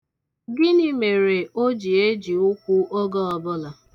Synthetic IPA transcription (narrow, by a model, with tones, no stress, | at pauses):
ɡɪ˦nɪ˦me˨ɾe˨o˦d͡ʒi˨e˦d͡ʒi˨ʊ˦kʷu˦ʔo˦ɡɔ˦ɔ˨bʊ˦la˨